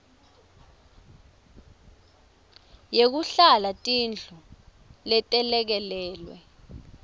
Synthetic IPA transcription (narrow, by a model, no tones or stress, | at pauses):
jek̬uɬalatʼind͡ɮʱɔ | lɛtʼɛlɛk̬ɛlɛːlwɛ̰